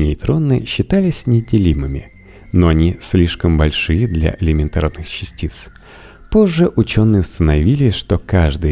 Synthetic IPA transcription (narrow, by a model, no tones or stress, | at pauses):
ɪjt̪ɾo̞nːɨɕːɪt̪alʲɪsʲnʲɪdʲɪlʲimɨmʲɪ̰ | noɐnʲisʲlʲiʂkəmbɐlʲʂɨjəd̪lʲa̰ʔɪlʲɪmʲɪnt̪a̰rnɨxt͡ɕːɪsʲtʲit̪s | po̞ʐːɨʔʊt͡ɕo̞nːɨjʊst̪ənɐvʲilʲɪsʲʂt̪o̞kaʐd̪ɨ